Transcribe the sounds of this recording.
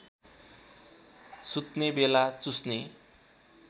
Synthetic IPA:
sut̪nebelat͡susne

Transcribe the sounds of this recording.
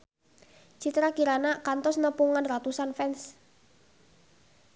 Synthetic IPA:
t͡ʃit̪ɾakiɾanakant̪ɔsnəpuŋanrat̪usanfɛns

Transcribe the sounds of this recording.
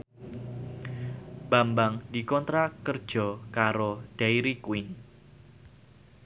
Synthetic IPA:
b̥ambaŋdi̤kɔnt̪ɾakərd̥ʒ̥ɔ̤kaɾoɖ̥aiɾikwɪn

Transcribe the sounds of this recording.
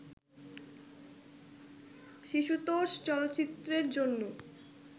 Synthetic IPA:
ʃiʃut̪oʃt͡ɕɔlot̪ːt͡ɕit̪ːɾeɾd͡ʑonːo

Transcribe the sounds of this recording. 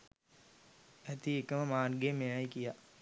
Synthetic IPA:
æt̪iekəməmaːnɡemejajkija

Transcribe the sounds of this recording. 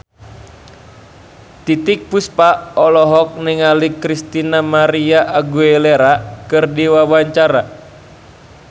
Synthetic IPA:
t̪it̪ik̚puspaɔlɔɦɔk̚niŋalikɾist̪inamaɾiaʔaɡueleɾakɨrdiwawaɲt͡ʃaɾa

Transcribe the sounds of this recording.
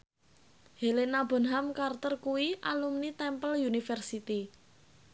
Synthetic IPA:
helenabɔ̤nɦamkart̪ərkuwiʔalumnit̪ɛmpəljunifɛrsit̪i

